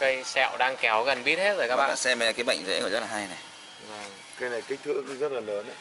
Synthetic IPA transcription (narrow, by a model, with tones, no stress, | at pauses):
kə˧jsɛ̰˧˨wɗaː˧ŋkɛ˨˦wɣə˨˩nɓi˦˥ət̚he˦˥t̚zəː˨˩kaː˦ɓa̰˨˩sɛ˧m˨˦˨kaː˨˦jɓə̰˧˨jŋ̟zḛ˧˥kɔ˧˩zə˦˥t̚laː˨ha˧jna˨˩j | vaː˨˩ŋ | ka˧˦jna˨˩jka˨˦k̚t̪ʰɨ̰˧əŋzə˦˥t̚laː˨˩ləː˨˦nʔa˨˦